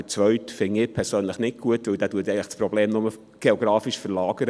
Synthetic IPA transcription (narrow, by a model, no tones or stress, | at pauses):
ət͡svœɥtfɪŋɪpʰɛɾsøːnləχnɪt̚ɡ̥uətvɵwdæːtuətɛɪŋləχsprobleːmnʊmə | ɡ̥eoɡɾɑːfiʃfəɾlɑːɡ̥əɾə